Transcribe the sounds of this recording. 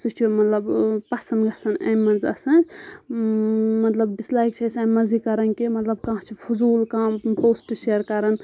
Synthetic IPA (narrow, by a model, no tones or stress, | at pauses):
sut͡ʃʰumɐt̪lɐbpɐsɐnɡɐsɐnḛ̃mɐnzɐ̰sɐn | mɐt̪lɐb̚ɖislaːjk̚t͡ʃʰɐsãmɐzikɐɾɐnkimɐt̪lɐb̚kãːɦt͡ʃʰipʰuzuːlkãːpoːsʈʃeːɾkɐɾɐn